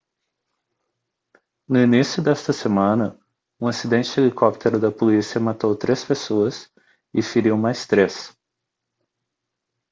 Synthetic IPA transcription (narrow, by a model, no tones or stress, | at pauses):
nʊinisjʊd̪ɛst̪ɐsemɐ̃nɐ | ũasid̪ẽnt͡ʃɪelikɔp̚t̪ʰeɾʊd̪ɐpolisiɐmat̪owt̪ɾespesoɐs | ɪfiɾiwmajst̪ɾes